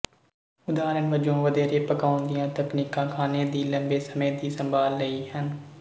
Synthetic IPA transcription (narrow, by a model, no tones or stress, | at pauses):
ʊd̪aːɾənʋəd͡ʒõːʋəd̪eːɾeːpəkaːʊnd̪ijãːt̪əknikãːkʰaːneːd̪iːlə̃mbeːsəmeːd̪iːsə̃mbʱaːlːəiːɦən